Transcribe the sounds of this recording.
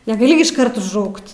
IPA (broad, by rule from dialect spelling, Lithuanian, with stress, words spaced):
nʲɛɡɐˈlʲɪ ɡʲɪ ɪʃˈkɐrt ʊʒˈrɐʊkt